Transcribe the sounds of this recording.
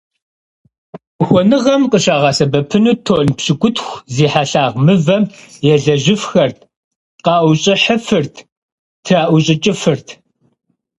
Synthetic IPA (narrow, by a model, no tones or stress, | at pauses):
xʷɔnɨʁɐmqəɕaːʁɑːsɐbɐpʰɨnuːtʰoːnpɕɪɡʷʊtxʷziːħaɬaːʁmɨvɐmjɛɮɐʒɪfxɐrt | qɑːwʊɕʼɪħəfɨrtʰ | tʰraːʔʷʊɕʼɪt͡ʃʼɪfɨrtʰ